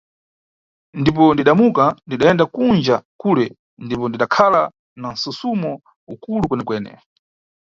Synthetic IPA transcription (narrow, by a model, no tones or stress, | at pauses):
ndip̬ɔndiɗamukandiɗaɛndakund͡ʒakuːlɛ | ndipɔndiɗakʰala | nan̩susumɔ | ukulukwɛnɛkwɛːnɛ̰